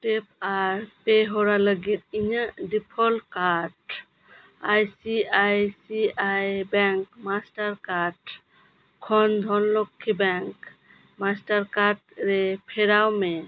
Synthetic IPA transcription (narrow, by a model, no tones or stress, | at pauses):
ʈepaɾpeɦɔɾaləɡit̪̚iɲaɖipʰɔlkaʈ | ajsiajsiajbɛŋkmasʈaɾkaɾʈ | kʰɔnd̪ʱɔnlɔkʰːibɛŋk | masʈaɾkaɾʈɾepʰɛɾawme